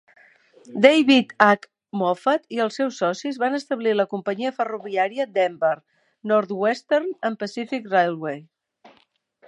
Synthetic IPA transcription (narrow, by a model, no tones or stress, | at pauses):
d̪ejβit̪ak | mɔfət̪iəlˠsːɛwsːɔsizβanəst̪əβliləkumpəɲiəfəruβiaɾiəd̪ɛmbəɾ | nɔɾt̪wɛst̪ɛɾnəmpəsifikrajlˠwej